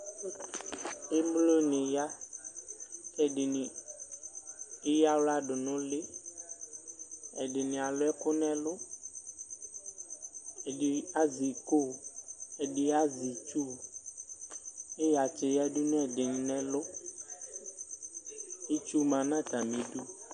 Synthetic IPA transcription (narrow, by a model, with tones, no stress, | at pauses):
e˦mlo˦nɪ̃˨ja˦ | kɛ˦ɖɪ˨ni˨ | e˦ja˦wla˦ɖʊ˨nʊ̃˦lɪ˦ | ɛ˨ɖɪ˨nĩ˨a˨lʊ˦ɛ˦kʊ˦nɛ̃˦lʊ˦ | ɛ˨ɖɪ˨a˦zi˨ko˦˨ɛ˨ɖɪ˨a˦zi˨t͡ʃu˦˨ | e˦ja˨t͡ʃe˨ja˦ɖu˦nɛ̃˦˨ɖɪ˨ɲ˨nɛ̃˦lʊ˦ | e˦t͡ʃu˦mã˨nã˦t̪a˨mĩ˨ɖu˦